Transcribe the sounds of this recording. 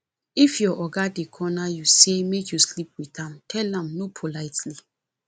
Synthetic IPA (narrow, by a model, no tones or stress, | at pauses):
ifjɔʔɔɡadekʰɔnajusemekʰjuslip̚wiθãmtʰɛlãmnopʰolaɪtli